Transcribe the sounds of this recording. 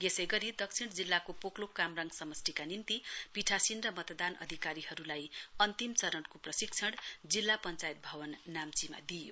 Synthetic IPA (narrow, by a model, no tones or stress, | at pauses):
ɡesʌjɡʌɾid̪ʌkt͡sʰiɽd͡zilːakopoklokːamraŋɡsʌmʌsʈikanint̪ipiʈʰasinrʌmʌt̪d̪anʔʌ̰d̪ʱikaɾihʌɾulajʌnt̪imt͡sʌɾʌɽkoprʌsik̚t͡sʰʌɽd͡zilːapʌnt͡sajt̪̚bʱʌwʌnːamt͡sima̰d̪ijo